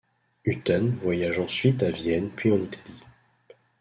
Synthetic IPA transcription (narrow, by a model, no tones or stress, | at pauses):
yt̪ɔnvwajaʒɑ̃sɥit̪avjɛnpɥiɑ̃nit̪ʰḁli